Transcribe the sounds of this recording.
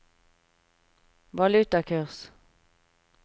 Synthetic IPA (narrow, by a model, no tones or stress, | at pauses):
ʋɑlʉt̪ɑkʰʉʁs